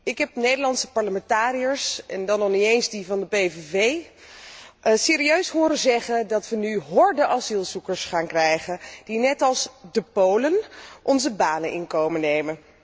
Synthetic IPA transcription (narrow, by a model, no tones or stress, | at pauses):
ɪkɦɛp̚nejdəɹlɑntsə̥pɑɹləmɛntaːɾijəɹsɛ̰ndɑnɔχniejnzdivɑndəpejvevej | sɪːɾiøɥsɦʊːɾəzɛχəndɑtʋənyɦɔɹdəʔɑzilˠzukəɹsχaːnkrɛjχənd̥inɛtɑlˠsdəpowlənʔɔnzəbaːnənʔɪ̰nkowmənːejmən